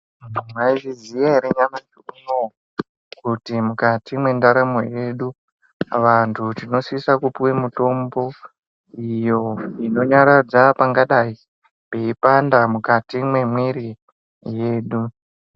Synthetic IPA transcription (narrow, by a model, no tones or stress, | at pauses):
maiʐizijaɦeɾeɲamat͡ʃukuno | kutimukatimwe̞ndaɾamo̞̰je̞ɗu | ʋantʰutino̞sisakupuwemuto̞mbo̞ | ijo̞ino̞ɲaɾad͡zapaŋɡaɗai | peipandamukatimwe̞mwiɾi | je̞ːɗu